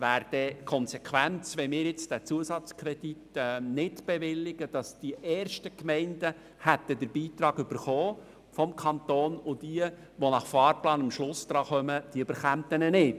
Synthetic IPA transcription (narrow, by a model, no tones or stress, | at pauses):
ʋæːɾd̥ɛkʰɔnsɛkʰʋænt͡sʋɛmɪːɾjɪt͡sd̥æt͡suəsɑt͡skʰɾɛd̥itːnɪtb̥ɛʋɪlːɪɡəd̥ɑsd̥iʔɛːɾʃtəkmɛɪndə | hæt̪ːədəɾbiːt̪ɾɑːɡʏb̥əɾχoː | fɔmkʰɑnt̪oːnʊd̥iə | ʋɔnɑχfɑːɾplɑːnɑmʃlʊsd̥ɾɑːχœməd̥iøb̥əɾχæmt̪ənɛnɪt